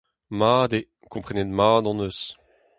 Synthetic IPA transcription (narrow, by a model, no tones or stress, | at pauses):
maːd̪e | kɔ̃pχɛned̪maːd̪ɑ̃nøs